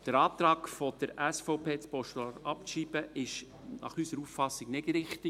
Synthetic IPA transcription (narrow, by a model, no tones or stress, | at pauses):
d̥əɾɑːt̪ɾɑːkfod̥əɾæsfɔʊpʰeːt͡spɔʃtɑɾɑpʃiːb̥əʔɪʃ | nɑ̰χysəɾuffɑsɪɡnɪdɾɪχt̪ɪ